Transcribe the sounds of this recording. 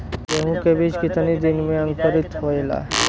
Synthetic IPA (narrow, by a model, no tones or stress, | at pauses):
eɦũkebid͡ʑkit̪ʰanid̪inmeaŋkoɾit̪ɦojla̰